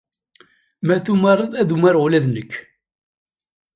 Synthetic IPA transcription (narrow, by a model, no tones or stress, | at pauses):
mæθumərˤːəðˤæðumaɾlæðnəkː